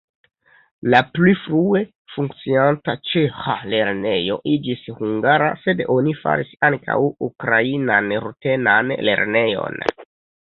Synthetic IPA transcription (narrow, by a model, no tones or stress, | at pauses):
laplifɾue̞ | fuŋkt͡siantat͡ʃexale̞ɾne̞jo̞̰ʔid͡ʒishuŋɡaɾa̰se̞do̞nifa̰ɾisaŋkʰa̰wukɾainanɾute̞nanle̞̰ɾne̞jo̞̰n